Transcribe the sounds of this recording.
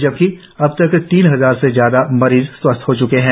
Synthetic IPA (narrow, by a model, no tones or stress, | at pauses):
d͡ʒɐb̚ki | ɐb̚t̪ɐkt̪iːnɦɐzaːɾsezjaːd̪amɐɾiːzswɐst̪ʰɦot͡ʃʊkeɦɛ̃ː